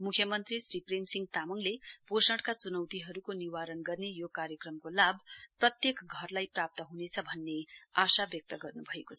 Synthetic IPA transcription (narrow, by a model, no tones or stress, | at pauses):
mukʰjʌmʌnt̪risripremsiŋɡt̪amʌŋleposʌʈkat͡sunʌwt̪iɦʌɾukoniwaɾʌnɡʌrnejokaɾjʌkrʌmkolabprʌt̪jekɡʱʌrlajprap̚t̪ʌɦunet͡sʰʌbʱʌnːeasabjʌk̚t̪ʌɡʌrnubʱʌekot͡sʰʌ